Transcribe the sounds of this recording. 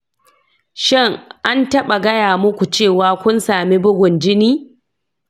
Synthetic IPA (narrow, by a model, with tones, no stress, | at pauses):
ʃɪ˦˨ŋʔa˦ntɐ˦ɓa˨ɡɐ˦jaː˨mʊ˦kʷu˨t͡ʃeː˦˨waː˦kʷʊ˦nsaː˨mi˦bʊ˦ɡʷʊ˨nd͡ʒɪ˦niː˦